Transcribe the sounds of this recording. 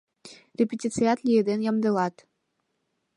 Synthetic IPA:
rʲepʲetʲit̪t͡sɨjɑt̪lʲijed̪enjɑmd̪ɤ̆lɑt̪

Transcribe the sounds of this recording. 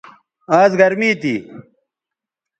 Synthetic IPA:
aːzɡɐɾmiːt̪ḭː

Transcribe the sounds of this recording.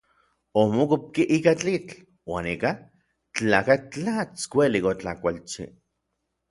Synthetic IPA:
omokup̚kiʔikat͡ɬit͡ɬ | waːnika | t͡ɬaːkat͡ɬat͡skʷelikot͡ɬakʷalt͡ʃḭ

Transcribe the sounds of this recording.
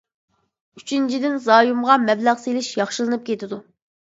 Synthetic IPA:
yt͡ʃʰynt͡ʃʰid̪ɪnzɑːjumʁɑmɛblæʁselɪʃjɑχʃɨlˠɨnɨp̚kʲʰet̪ɪd̪u

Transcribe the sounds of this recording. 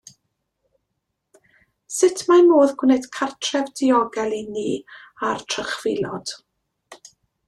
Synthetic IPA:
sɪtʰmamoːðɡwnɛd̥kʰartʰrɛvdɪɔɡɛlˠiniː | artʰrəχv̥ɪlˠɔd̥

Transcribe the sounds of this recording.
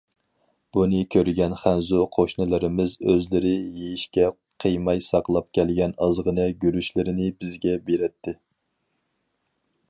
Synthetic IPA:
b̥unɨkʲʰøɾɡʲɛnχænzuqʰoʃnɨlˠɨɾɪmɪzøzlɪɾɪjejiʃkʲɛ | qʰəjmɑjsɑqlˠɑp̚kʲʰɛlɡʲɛnɑzʁənɨɡʲyɾyʃlɪɾɪnɪbɪzɡʲɛbeɾɛt̪ʰːɪ

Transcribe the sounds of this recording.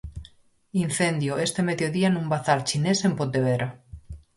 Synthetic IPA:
in̟θend̪joest̪emeðjoðianũmbaθaɾt͡ʃinesempot̪eβ̞eɾa

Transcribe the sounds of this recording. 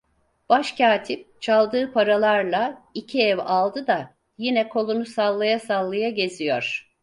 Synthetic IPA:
b̥aʃcʰaːt̪ʰip̚t͡ʃʰalˠd̪ɯːpʰaɾalˠaɾlˠaicʰiɛvalˠd̪ɯd̪a | jinɛkʰo̞lˠunusalˠːajasalˠːajaɟe̞zijo̰ɾ̝̥

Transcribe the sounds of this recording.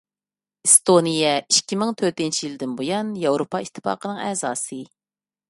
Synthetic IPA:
ɨst̪onijɛiʃkʲʰːimɪŋt̪ʰøɾt̪int͡ʃʰijilɨd̪ɪnbojɑnjɑwɾopʰɑit̪ʰːɨ̥pɑ̰ːqənɨŋɛ̰ːzɑːsɨ

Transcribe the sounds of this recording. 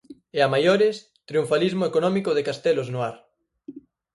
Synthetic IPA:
eamajoɾɪs | t̪ɾiuɱfalizmoekonɔmikoðekast̪ɛloznoaɾ

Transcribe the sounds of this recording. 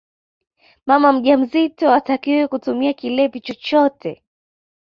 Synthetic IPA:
mamam̩ʄam̩zitɔatakiwɛkutumiakilɛpit͡ʃɔt͡ʃɔtɛ

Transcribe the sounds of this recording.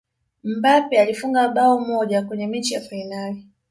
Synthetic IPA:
m̩bapialifuŋɡaɓaɔmɔʄakwɛɲɛmɛt͡ʃijafainali

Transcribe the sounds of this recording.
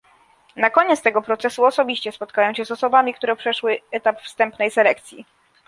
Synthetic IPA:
nakɔɲeɛt̪st̪ɛɡɔpɾɔt̪sɛsuɔsɔbʲiɕt͡ɕɛspɔt̪kajɔ̃w̃ɕɛzɔsɔbamʲikt̪uɾɛpʂɛʂwɘɛt̪apfst̪ɛmpnɛjsɛlɛk̚t̪sʲjḭ

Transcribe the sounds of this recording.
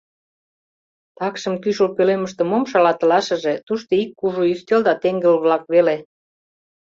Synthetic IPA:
t̪ɑkʃə̆mkyʃolpøleməʃt̪ə̆momʃɑlɑt̪ə̆lɑʃə̆ʒet̪uʃt̪oikːuʒuyst̪eld̪ɑt̪eŋɡə̆lβlɑk̚βele

